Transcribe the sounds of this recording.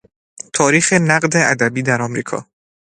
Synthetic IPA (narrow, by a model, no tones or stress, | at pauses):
t̪ʰɒːɾiːxenæɢd̪e̞ʔæd̪æbiːd̪æɾɒːmɾiːkʰɒ̰ː